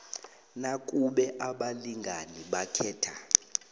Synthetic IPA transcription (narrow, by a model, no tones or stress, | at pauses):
nakʼuɓɛʔaɓaliŋɡʱaniɓakʰɛːtʰa